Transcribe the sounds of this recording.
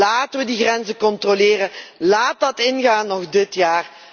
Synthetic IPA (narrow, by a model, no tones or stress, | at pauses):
aːtəʋədiɣrɛnzəkɔntrolɪːrəlaːt̚dɑtɪnɣaːnːɔɣdɪtjaːr